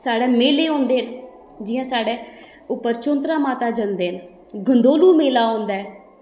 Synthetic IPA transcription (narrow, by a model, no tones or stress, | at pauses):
saːɽeːmeːleːõːnd̪eːn | d͡ʒɪjãːsaːɽeː | ʊpːəɾt͡ʃõːnt̪ɾaːmaːt̪aːd͡ʒənd̪eːn | ɡʱənd̪oːluːmeːlaːõːnd̪aːɛː